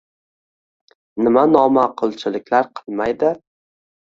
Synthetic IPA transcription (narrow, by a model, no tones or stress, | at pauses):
nɪmanɒmaqʰɨlˠt͡ʃʰɪlɪkʲlaɾqʰɨlˠmajd̪ɪ